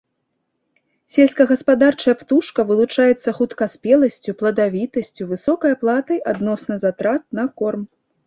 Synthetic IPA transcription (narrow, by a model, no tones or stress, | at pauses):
sʲɛlʲskɐɣɐspad̪art͡ʂɐjɐpt̪uʂkɐvɨlˠut͡ʂajɛt̪sːɐxut̪kaspʲɛlˠɐsʲt͡sʲuplˠɐd̪avʲit̪ɐsʲt͡sʲuvɨsɔkɐjɐplˠat̪ɐjʔad̪nɔsnɐzat̪ɾat̪̚nɐkɔrm